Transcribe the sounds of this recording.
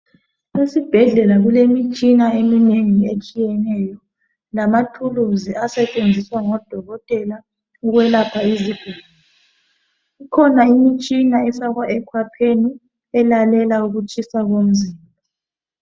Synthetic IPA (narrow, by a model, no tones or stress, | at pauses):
esib̥ʱɛɮɛlaɣulemit͡ʃʼinaemineŋiet͡ʃʼijɛnɛjɔ | lamatʰuluziasɛt͡ʃʼend͡zʱiswaŋɔd̥ʱɔɣɔtʼɛla | uɣwɛlapʰaizib̥ʱil | ikʰɔnaimit͡ʃʼinaɛsaɣwaʔɛkʰwapʰeni | ɛlalɛlauɣut͡ʃʼisaɣom̩zimbʱa